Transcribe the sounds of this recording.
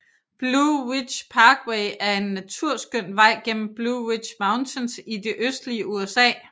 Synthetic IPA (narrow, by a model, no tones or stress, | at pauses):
b̥luwi̥ɕpʰɑ̈ːɡ̥weɪʔæɐe̝nːæt͡sʰuɐ̰sɡ̥øn̰ʋɑ̈ɪ̰ɡ̥en̰m̩b̥luwid̥ɕmɑ̈ʊnt͡sʰensid̥e̝ʔøsd̥liəʔuesɛ̰ː